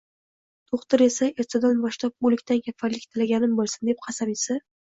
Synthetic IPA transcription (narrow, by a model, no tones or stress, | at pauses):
t̪ʰoχt̪ɪɾe̞saeɾt̪ʰad̪anbɒʃt̪lap̚ʊlɪkʲt̪ʰankʲʰafaɾlɪkʲt̪ʰɪlaɡʲanɪmbolˠsɪnd̪ep̚qʰɑsabisa